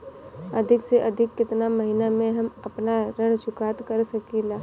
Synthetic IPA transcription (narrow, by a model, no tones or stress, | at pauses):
ɐd̪ʱɪkseʔɐd̪ʱɪkːɪt̪namɐɦinamẽɦɐmɐpnaɾɐɽ̃t͡ʃʊkaːt̪kɐɾsɐkilaː